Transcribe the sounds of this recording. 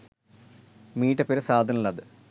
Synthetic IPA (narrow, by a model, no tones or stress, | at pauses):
miːʈːɐpːeɾɐsaːd̪ʱɐnuɭːɐðɨ